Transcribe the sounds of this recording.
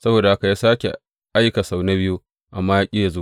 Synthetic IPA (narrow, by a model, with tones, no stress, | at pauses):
sɐ˦boː˨da˨ha˦ka˨jaː˦saː˦kʲe˨ | ʔa˦jka˨sa˨wna˦bɪ˦ju˦ | ʔa˨mːaː˦jaː˦kʲʼɪ˦ja˨zoː˦